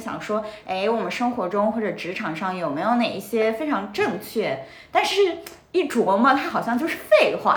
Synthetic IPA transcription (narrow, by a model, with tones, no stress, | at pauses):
ɕjɑ̰˨˩ŋʂwɔ˥e˥˩ɪwɔ˨˩mə˦nʂɤ˥ŋxwɔ˧˥ʈ͡ʂʊ˥ŋxwɔ˥˩ʈ͡ʂɤ˨˩ʈ͡ʂɻ̩˧˥ʈ͡ʂʰɑ˨˩ŋʂɑ˥˩ŋjo˨˩ʊme˧˥ɪjo˧˥ʊne˨˩ɪi˥˩ɕjɛ˥fe˥ɪʈ͡ʂʰɑ˧˥ŋʈ͡ʂɤ˥˧ŋt͡ɕʰɥɛ˥˩ | t̪a˥˧nʂɻ̩˥˩ | i˥˩ʈ͡ʂwɔ˧˥mə˧t̪ʰa˥xɑ˨˩ʊɕjɑ˥˧ŋt͡ɕjʊʂɻ̩˥˧fe˥˧ɪxwa̰˥˩